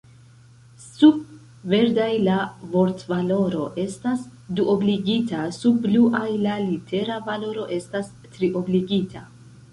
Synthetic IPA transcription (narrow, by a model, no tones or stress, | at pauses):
sub̚ | ve̞ɾdajlavo̞ɾtvalo̞ɾo̞ʔe̞stasduʔo̞bliɡitasubluʔajlalitʰe̞ɾavalo̞ɾo̞ʔe̞stas | tɾiʔo̞bliɡitʰa